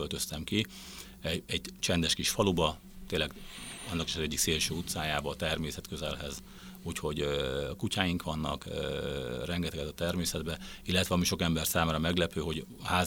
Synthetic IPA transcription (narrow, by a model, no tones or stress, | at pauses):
ølt̪ø̞st̪ɛmki | ɛɛɟt͡ʃɛnd̪ɛʃkiʃfɒlubɒ | t̪eːlːɛɡɒnːɒki̥ʃɒzɛɟːikseːlʃøːut̪saːjaːbɒːt̪ɛrmeːsɛt̪køzɛlɦɛ̰z | uːcho̞ɟkucaːjiŋkʋɒnːɒ̰kː | rɛŋɡɛt̪ɛɡɛt̪ɒt̪ɛrmeːsɛd̪bɛilːɛt̪ʋɛɒmiʃo̞kɛmbɛrsaːmaːɾɒmɛɡlɛpøːɦo̞ɟ | haːz